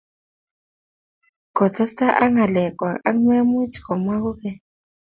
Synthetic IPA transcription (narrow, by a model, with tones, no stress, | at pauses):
kɔ˨tʰɛ˦sta˦ʔa˦ŋa˨lɛ˨kʼwa˨a̰˦ŋ˦me˦mu˦tʰi̥˨kɔ˨ma˦k̬u˦kɛ˦